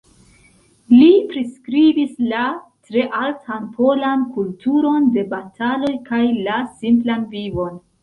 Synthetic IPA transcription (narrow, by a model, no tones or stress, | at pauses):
lipɾiskɾibislatɾe̞ʔaltʰanpʰo̞lankultuɾo̞nde̞batʰalo̞jkajlasimplanvivo̞n